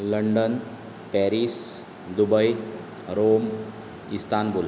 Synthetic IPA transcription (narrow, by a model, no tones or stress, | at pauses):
ləɳɖən | pɛɾis | d̪ubəj | ɾom | ist̪anbʱol